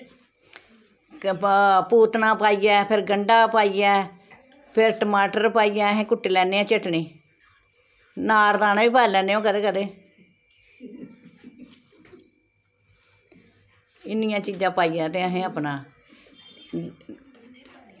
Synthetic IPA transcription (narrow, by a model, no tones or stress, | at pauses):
puːt̪nãːpaːiːɛːpʰɪɾɡəɳɖaːpaːiːɛː | pʰɪɾʈəmaːʈəɾpaːiːɛːəɦẽːkʊʈːeːlɛːneːãːt͡ʃɪʈɳiː | naːɾd̪aːnaːʋiːpaːlɛːneːõːkəd̪eːkəd̪eː | ɪnɪjãːt͡ʃiːd͡ʒãːpaːiːɛːt̪̬eːəɦẽːəpnãː